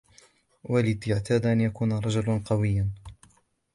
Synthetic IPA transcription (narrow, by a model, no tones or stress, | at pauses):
walɪd̪aʕt̪ʰaːd̪ʔanjakuːnaɾˤɑd͡ʒʊlaqɑwɪjːan